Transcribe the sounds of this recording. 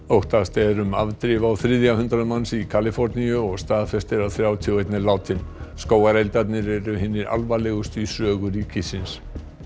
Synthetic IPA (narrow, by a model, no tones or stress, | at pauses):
owht̪ast̪ɛɾʏma̰vt̪ɾɪvawθɾɪðjahʏnt̪ɾaðmansikʰaːlɪfɔɾnijʏɔɣst̪aːðfɛst̪ɪɾawθɾjaːwt̪ʰiuejt̪nɪlaːwt̪ʰɪnskoːwaɾɛjlt̪at̪nɪɾɛɾʏhɪnːɪɾa̰lvalɛɣʏst̪isœːɣʏɾicɪsɪns